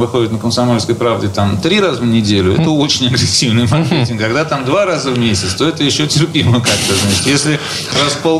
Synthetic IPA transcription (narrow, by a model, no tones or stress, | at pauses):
vɨxo̞dʲɪt̪nəkəmsɐmo̞lʲskəjpɾavdʲɪt̪amt̪ɾʲiɾazəvnʲɪdʲelʲʊɛ̰t̪əo̞t͡ɕɪnʲɐɡɾʲɪsʲːivnɨjmɐmʲentʲɪmkɐɡd̪at̪amd̪vaɾazəvmʲesʲɪt̪st̪o̞ɛt̪əjɪɕːotʲɪrpʲiməkakt̪əznat͡ɕɪ̥t̪jesʲlʲɪ | raspo